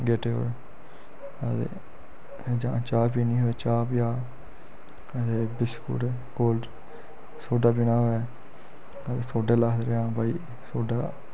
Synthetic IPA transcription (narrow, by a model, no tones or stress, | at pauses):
ɡeːʈeːɦo̰ːɾ | ət̪ḛː | d͡ʒãːt͡ʃaːpiːnĩːɦoːɛːt͡ʃaːpjaː | ət̪eːbɪskṵʈe | koːlɖ | soːɖaːpɪnaːɦːɛː | ət̪eːsoːɖeːlaːt̪ɾeãːbaːiː | soːɖaː